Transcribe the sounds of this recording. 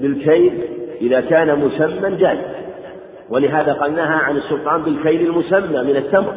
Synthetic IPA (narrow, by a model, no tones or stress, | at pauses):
bɪlkajlʔɪðaːkaːnamʊsamːand͡ʒaːlɪz | walɪɦaːðaːqɑlnaːɦaʕanɪsːʊlt̪ˤɑːnbɪlkajlalmʊsamːaːmɪnat̪ːamɾ